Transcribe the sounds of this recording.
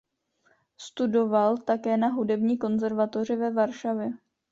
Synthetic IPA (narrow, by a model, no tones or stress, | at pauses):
st̪udo̞valt̪akɛːnaɦudɛbɲiːko̞nzɛɾvat̪o̞r̝ɪvɛvaɾʃavjɛ